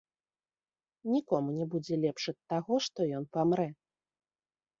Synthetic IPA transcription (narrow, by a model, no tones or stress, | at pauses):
nʲikɔmunʲɛbud͡zʲɛlʲɛpʂɐt̪ːaɣɔʂt̪ɔjɔnpamɾɛ